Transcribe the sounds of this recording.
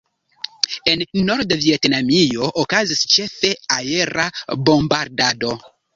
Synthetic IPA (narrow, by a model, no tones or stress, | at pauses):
e̞nːo̞ɾdvie̞tnamio̞ʔokazist͡ʃe̞fe̞aje̞ɾabo̞mbaɾdado̞